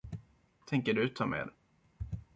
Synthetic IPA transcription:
t̪ʰɛŋkəɖɵt̪ʰɑːmḛːd̪

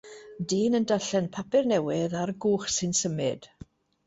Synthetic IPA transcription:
diːnəndaɬɛnpʰapʰɪrnɛwɪðaɾɡuːχsɪnsəmɪd̥

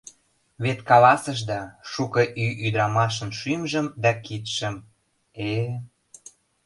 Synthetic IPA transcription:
βet̪kɑlɑsəʃd̪ɑʃukɤ̆ʔyʔyd̪ɾɑmɑʃ̬ə̆nʃymʒə̆md̪ɑkit̪ʃə̆m | e

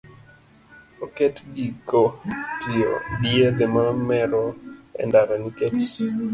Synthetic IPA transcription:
oketɡikotio̰bieɡɛmamɛɾɔɛ̰ndaɾɔniket͡ʃ

